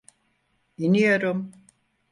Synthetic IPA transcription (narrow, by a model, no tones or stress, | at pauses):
inijo̞ɾum